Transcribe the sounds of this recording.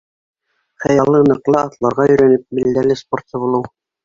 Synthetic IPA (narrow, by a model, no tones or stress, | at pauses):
χæjɑlˠːɤnɤ̆qlˠɤɑt̪lˠɑɾʁɑjɵ̆ɾænɘp̚mild̪ælɘsport̪ɤβulˠɤw